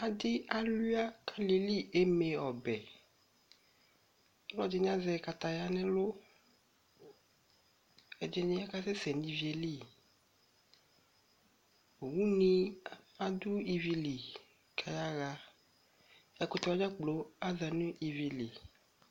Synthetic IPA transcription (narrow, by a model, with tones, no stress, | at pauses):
a˨d̪ɪ˦a˦lu˦a˦kʰa˦le˨li˦e˦mẽ˨ɔ˨bɛ˨˦ | lɔ˦d͡ʒi˦ɲ˦ã˦zɛ˨ka˨t̪a˨ja˦nɛ̃˦lo˦ | e˨d͡ʒe˦nĩ˦a˦ka˦sɛ˦sɛ˨nĩ˦vi˨˦e˨li˦˨ | o˨wu˦nĩ˦a˨d̪u˦i˨vi˨li˨ | kʰa˨ja˦ɣa˨ | ja˨ko˦t̪ɔ˦wa˦ɲã˦k͡plo˨˦a˦za˨nũ˦i˨vi˨li˨